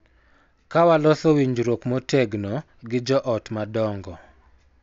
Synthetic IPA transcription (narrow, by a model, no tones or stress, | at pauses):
kawalɔsowiɲd͡ʒɾokmɔteɡnɔ | ɡɪd͡ʒɔʔɔtmadɔŋɡɔ